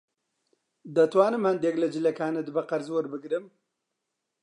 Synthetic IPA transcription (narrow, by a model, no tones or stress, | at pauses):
d̪ɐt̪waːnɨmhɐnd̪eːklɐd͡ʒɨlɐkaːnɐd̪ɨbɐqɐɾzwoɾbɨɡɾɨm